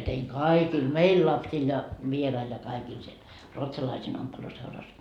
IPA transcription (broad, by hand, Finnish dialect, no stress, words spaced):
teiŋ kɑikil meil lɑpsil jɑ ʋierɑil jɑ kɑikil siel ruotsɑlɑisiːn ompeluseurɑs